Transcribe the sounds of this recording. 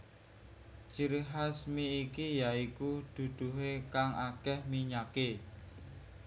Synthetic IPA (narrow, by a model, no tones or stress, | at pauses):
t͡ʃiɾɦasmiːkijaikud̪̥ṳd̪̥ṳɦekaŋakɛhmiɲake